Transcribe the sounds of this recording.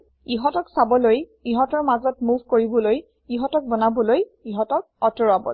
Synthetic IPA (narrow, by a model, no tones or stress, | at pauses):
iɦɔtɔksabɔlojiɦɔtɔɹmazɔtmuvʱkoɹibɔloj | iɦɔtɔk̚bɔnabɔlojiɦɔtɔk̚ɔtɔɹabɔ̰l